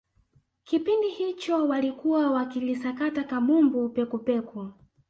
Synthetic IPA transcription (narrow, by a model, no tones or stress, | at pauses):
kipindihit͡ʃɔwalikuwawakilisakatakamumbupɛkupɛku